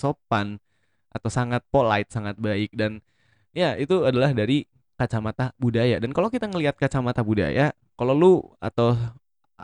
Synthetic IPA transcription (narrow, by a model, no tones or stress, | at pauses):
sopan | ʔat̪awsaŋat̪̚polaɪt̪̚saŋat̪̚baɪk̚dan | ijait̪uadalahdaɾi | kat͡ʃamat̪abudajadankalokit̪aŋəliat̪̚kat͡ʃamat̪abuda̰ja | kalolua̰t̪aw